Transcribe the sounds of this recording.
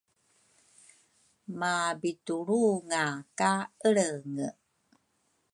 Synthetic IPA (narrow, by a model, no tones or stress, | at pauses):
mabituɭuŋakaəɭəŋə